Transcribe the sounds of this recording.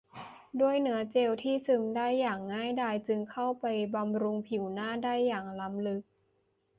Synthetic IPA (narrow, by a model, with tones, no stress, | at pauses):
du˥˩əjnɯ˩˦ɐt͡ɕe˧wt̪ʰiː˥˩sɯ˧mdaː˥˩jːaː˨˩ŋːaː˥˩jdaː˥˩jt͡ɕɯ˧ŋkʰa˥˩wpa˧jba˧mɾu˧ŋpʰi˨˩˦wnaː˥˩daː˥˩jːaː˨˩ŋla˧mlɯ˨˦˥k̚